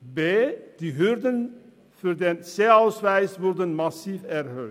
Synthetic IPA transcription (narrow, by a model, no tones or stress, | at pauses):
beːd̥iɦørdən | føːrdɛnseːœɥsʋɛjsʋɔrdənmɑsiːfɛrɦø